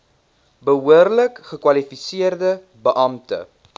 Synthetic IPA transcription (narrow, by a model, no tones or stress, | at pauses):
bəɦuərləkχəkwɐlifisiərdə | bəʔɐmtə̰